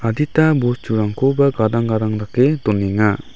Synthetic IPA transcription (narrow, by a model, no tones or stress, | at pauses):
ad̪it̪abust͡ʃuɾaŋkobaɡadaŋɡadaŋdaked̪ɔnɛŋa